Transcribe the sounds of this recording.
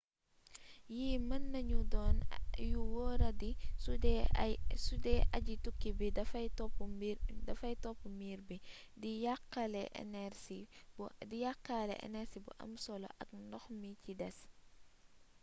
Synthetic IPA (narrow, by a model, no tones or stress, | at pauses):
jiːmɐnːɐɲudɔːnjuwɔːɾɐdisudɛsudɛʔɐ̰ɟitukːibidɐfɐjtɔpudɐfɐjtɔpːumiːɾbi | dijakːalɛʔnɛɾsidijakːalɛ̰ʔɛ̰nɛɾsibṵʔɐ̰msɔlo̰ʔɐ̰kndɔxmicidɛs